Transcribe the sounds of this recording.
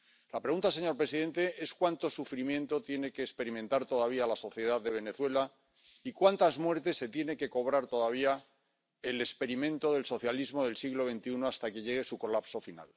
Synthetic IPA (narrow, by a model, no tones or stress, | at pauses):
lapɾe̞ɣunt̪ase̞ɲo̞ɾpɾesiðẽ̞nt̪e̞ʔe̞skwant̪o̞sufɾimjẽ̞nt̪o̞t̪je̞ne̞keːkspe̞ɾimẽ̞nt̪aɾt̪o̞ðaβ̞iaːlaso̞θje̞ð̞aððe̞β̞e̞ne̞θwe̞la | ikwant̪azmwe̞ɾt̪e̞sːe̞t̪je̞ne̞ke̞ko̞β̞ɾaɾt̪o̞ðaβ̞ia | ele̞spe̞ɾimẽ̞nt̪o̞ðe̞lso̞θjalizmo̞ðe̞lsiɣlo̞βe̞nt̪iunoast̪ake̞ʎe̞ɣ̞e̞suko̞lapso̞fina̰l